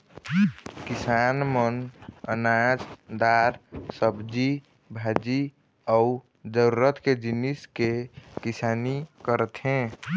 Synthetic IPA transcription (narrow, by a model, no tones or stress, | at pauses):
kisanmənənad͡ʒd̪aɾsəbd͡ʒi | bʱad͡ʒi | ɔu | d͡ʒəɾuɾət̪ked͡ʒiniskekisanikəɾət̪ɦɛ̃